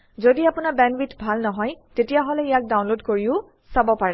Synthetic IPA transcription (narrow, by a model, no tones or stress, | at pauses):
zodiapʊnabɛnwitbʱalnɔɦɔjtetijaɦɔlɛijak̚daw̃nlodkoɹiʊ | sabɔpaɹɛ